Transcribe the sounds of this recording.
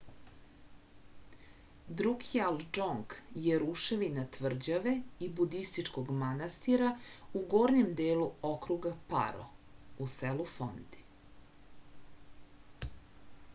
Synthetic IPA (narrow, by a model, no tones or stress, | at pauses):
d̪ɾukijald͡ʒoŋɡjeɾuʃeʋinat̪ʋr̩d͡ʑaʋeibud̪ist̪it͡ʂkoɡmanast̪iɾauɡoːɾɲemd̪eːluokɾuɡapa̰ɾo̰uselufo̰nd̪i̥